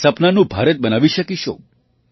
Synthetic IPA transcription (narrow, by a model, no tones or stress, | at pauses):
səpnanũbʱaɾət̪̚bənaʋiʃəkiʃo̰